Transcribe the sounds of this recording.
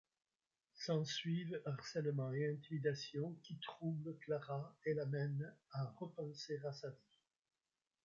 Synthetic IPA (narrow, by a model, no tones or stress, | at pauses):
sɑ̃sɥivaʁsɛlmɑ̃eɛ̃t̪imid̪asjɔ̃kʲit̪χubləklaʁaelamɛnaʁəpɑ̃seʁasavi